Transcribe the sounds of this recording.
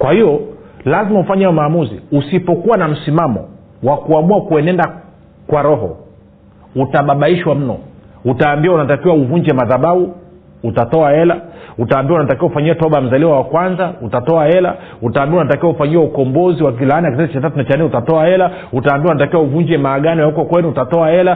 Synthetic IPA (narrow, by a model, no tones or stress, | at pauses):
kwahijɔlazimaufaɲaaɔmaːmuzḭusipɔkuwanam̩simamɔ̰ | wakuamuakuɛnɛnda | kwaɾɔɦɔ̰ | utaɓaɓaiʃwam̩nɔ̰ | utaːmbiwaunatakiwauvuɲd͡ʒɛmaðaɓauː | tatɔaɛlautaːmbiaunatakiwaufaɲiatɔɓam̩zaliwawakwanzautatɔaɛla̰utaːmbiwaunatakiwaufaɲiwaukɔmbɔziwak̬ilaaniakisɛzit͡ʃat̬atunat͡ʃaniutatɔaɛla | utaːmbiaunatakiwauvuɲd͡ʒɛmaːɠanɔjaukɔkwɛnuutatɔaɛla